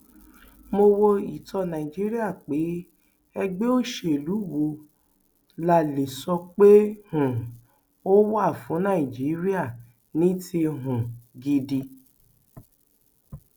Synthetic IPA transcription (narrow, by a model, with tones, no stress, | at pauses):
mo˧wo˧i˨tɔ˧nã˨i˨d͡ʒi˨˦ɾi˦a˦˨k͡pe˨˦ | ɛ˧ɡ͡be˦o˦ʃe˦˨lu˨˦wo˧ | la˨le˨sɔ˧k͡pe˦hũ˨ | o˦wo˦a˦˨fũ˨˦nã˦˨i˨d͡ʒi˨˦ɾi˦a˦˨ | nĩ˦tʰi˧ɦũ˨ɡi˧di˧